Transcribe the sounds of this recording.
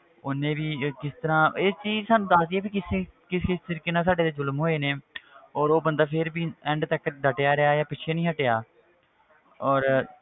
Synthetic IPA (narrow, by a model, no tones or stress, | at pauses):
ʊnẽːbiːkɪst̪əɾãːɪːst͡ʃiːd͡ʒsaːnũːd̪aːsd̪ieːpiːkɪsekɪsɪst̪ɪɾkɪnãːsaːɖeːt̪eːzʊlmɦoːeːneːɔːɾoːbənd̪aːpʰɪɾbiːɛ̃ːɳɖt̪əkːd̪əʈejaːɾɪjaːjaːpɪt͡ʃʰeːnĩːɦəʈeːaː | ɔːɾ